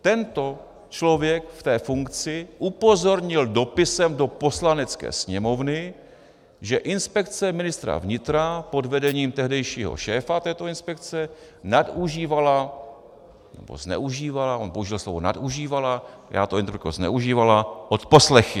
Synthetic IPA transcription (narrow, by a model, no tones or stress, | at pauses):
t̪ɛnt̪o̞ | t͡ʃlo̞vjɛkft̪ɛːfuŋkt͡sɪʔupo̞zo̞ɾɲɪldo̞pɪsɛmdo̞po̞slanɛt͡skɛ̰ːsɲɛmo̞vnɪ | ʒɛʔɪnspɛkt͡sɛmɪnɪst̪ɾa̰vɲɪt̪ɾapo̞dvɛdɛɲiːmt̪ɛɦdɛjʃiːɦo̰ʃɛːfat̪ɛːt̪o̞ɪnspɛk̚t͡sɛ | naduʒiːvala | nɛbo̞̰znɛ̰ʔuʒiːvalaonpouʒɪlslo̞vona̰duʒiːvala | ja̰ːt̪oɛnpkoznɛ̰uʒiːvalaʔot̪poslɛxɪ